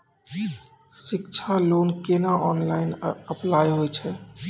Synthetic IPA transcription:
sikt͡ʃʰalonkenaʔɔnlaɪnəplajɦojt͡ʃʰɛ

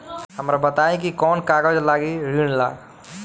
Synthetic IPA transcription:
hɐmɾabɐt̪aːẽk̬ikɔːnkaːɡəd͡ʒlaːɡiɾiːnla̰ːɡ

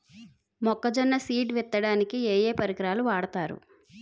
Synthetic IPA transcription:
mɔkːɐd͡ʒɐnːɐsiːʈʋɛt̪ːɐɽaːnikieːjeːpɐɾikɾaːluʋaːɽɐt̪aːɾṵ

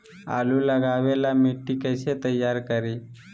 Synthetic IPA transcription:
a̰luləɡaʋelamiʈːikəjset̪əjːaɾkəɾi

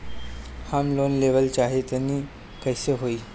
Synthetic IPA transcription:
hamlonleʋəlt͡ɕaɦet̪aniː | kəjsəɦoiː

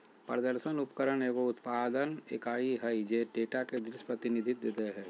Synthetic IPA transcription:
pɾəd̪əɾʃənʊpkəɾənekoʊt̪paːd̪ənḛkaːiɦəid͡ʒeʈeːʈaked̪ɾɪʃpɾət̪ɪnid̪ʱɪt̪̚d̪eːt̪eɦɛː

